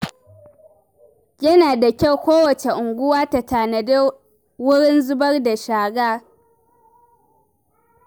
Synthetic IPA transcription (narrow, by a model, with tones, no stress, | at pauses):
jɐ˦naː˨da˨kʲa˦˨wkʷoː˦wɐ˨t͡ʃe˨ʔʊ˨ŋɡʷʊ˦waː˦ta˨taː˨na˨da˦ | wʊ˦ɽɪ˦nzʊ˦bɐ˦rda˨ʃaː˨ɡaː˦